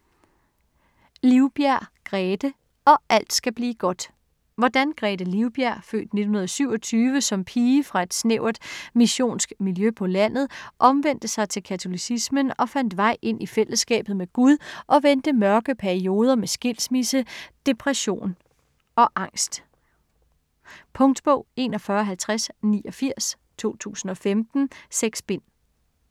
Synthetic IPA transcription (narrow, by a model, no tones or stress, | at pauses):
liʊb̥jæɐ̰ɡ̥ʁɛːd̥ə | ɒ̽ʔæl̰d̥sɡ̥æb̥liːɡ̥ɒ̽d̥ | ʋɒd̥ænɡ̥ʁɛːd̥əliʊb̥æɐ̰fø̰ːd̥ne̝̥n̩hunɐðˠsyʊ̰ɒ̽t͡sʰyːʋəsɒ̽mpʰiːfʁɑ̈e̝d̥sneʊ̰ɐd̥miɕo̝̰ːnsɡ̥miljøpʰɒ̽læn̰ð̞̩ˠʔɒ̽mʋen̰d̥əsɑ̈ɪt͡sʰe̝lkʰæt͡sʰo̝lisismənɒ̽fæn̰d̥ʋɑ̈ɪ̰ʔe̝n̰ʔifel̰əsːɡ̥ɛ̰ːb̥ð̞̩ˠmeɡ̥uð̞ˠʔɒ̽ʋend̥əmɶɐɡ̥əpʰæɐio̝ːð̞ˠɐmesɡ̥e̝l̰smisəd̥e̝pʰʁɛɕo̝̰ːn | ɒ̽ʔɑ̈ŋ̰sd̥ | pʰɔ̽ŋd̥b̥ɔʊ̰e̝̰nɒ̽fɶɐɦælt͡sʰʁasniːʔɒ̽fiɐ̰s | t͡sʰo̝̰ːt͡sʰṵːsn̩ɒ̽femd̥n̩seɡ̥sb̥e̝n̰